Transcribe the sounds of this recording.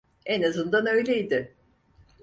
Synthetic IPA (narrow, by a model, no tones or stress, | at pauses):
enazɯnd̪anø̞jlʲejid̪ɪ